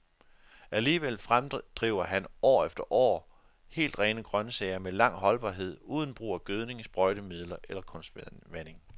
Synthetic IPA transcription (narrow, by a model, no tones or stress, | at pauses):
æliːʋel̰fʁamd̥ʁiʊ̰ɐɦænɒ̰ːefd̥ɐʔɒ̰ː | he̝̰ːld̥ʁɛːnəɡ̥ʁɶnəsɛɪɐmelɑ̈ŋ̰ɦɒ̽lb̥ɑ̈ːɦe̝ð̞̰ˠuːðˠn̩b̥ʁṵːæɡ̥øð̞ˠne̝ŋsb̥ʁɒɪɾ̥əmið̞̰ˠlɐʔelɐkʰɔ̽nsd̥ʋæne̝ŋ